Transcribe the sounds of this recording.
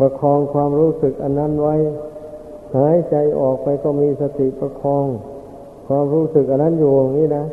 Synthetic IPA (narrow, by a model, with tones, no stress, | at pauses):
pa˧kʰɔː˧ŋkʰwaː˧mɾuː˦˥˨sɯ˨˩k̚ʔa˧nːa˦˥˨nwa˦˥˨j | haː˨˦jt͡ɕa˧jʔɔː˨˩k̚pa˧jkɔː˥˩miː˧sa˧t̪ʰi˨˩˨pa˧kʰɔː˧ŋ | kʰwaː˧mɾuː˦˥˨sɯ˨˩k̚ʔa˧nːa˦˥˨njuː˨˩a˨˩ŋːniː˦˥˨na˦˥